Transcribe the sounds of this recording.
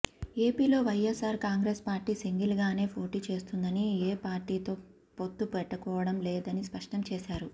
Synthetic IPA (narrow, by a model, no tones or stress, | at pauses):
e̞ːpiːlo̞ːʋɐjesaːɾkaːŋɡɾeːspaːɾʈːiːsiŋɡilɡaːne̞ːpo̞ːʈiːt͡ʃe̞ːst̪und̪ɐnieːpaːɾʈːiːt̪o̞ː | po̞t̪ːupɛʈːɐkɔːʋɐɽɐmlɛːd̪ɐnispɐʂʈɐmt͡ʃeːsaːɾu